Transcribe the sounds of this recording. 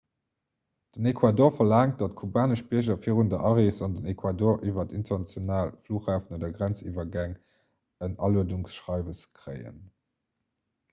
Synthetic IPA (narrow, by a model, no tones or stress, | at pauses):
d̥ənekʰwaːdoːɐfɐlaːŋt̚d̥ɑt̚kʰubaːnəʃbiəʑɐfiːəʁundəʔɑʁesɑndənekʰwadoːɐʁʔivɐtintɐnɑt͡sjonaːlfluːχaːfnodɐɡʁænt͡sḭːvɐɡæŋ | ənɑluəduŋsʃʁɑɪvəskʀə̰ɪə̰n